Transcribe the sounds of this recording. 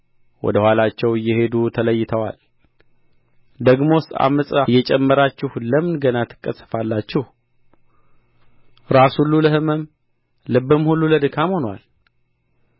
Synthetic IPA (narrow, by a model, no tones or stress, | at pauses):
wɔ̰d̪əhʷalat͡ʃːɛwɨjːɛhe̞d̪ut̪ʰələjːɪt̪ʰəwa̰l | d̪əɡmo̞st̪a̰məsʼəjɛt͡ʃʼɛmːəɾat͡ʃːɪhləmɨnɡənat̪ʰɨ̥kʼːəsʼə̥falːat͡ʃːɪh | ɾasulːuləhɨməm | lɨbɨmhulːuləd̪ɨkʰamho̞nwa̰l